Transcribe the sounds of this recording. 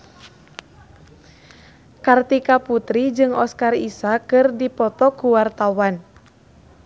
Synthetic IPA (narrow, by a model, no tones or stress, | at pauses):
kart̪ikaput̪ɾid͡ʒɨŋɔskarisakɨrdipɔt̪ɔkuwart̪awan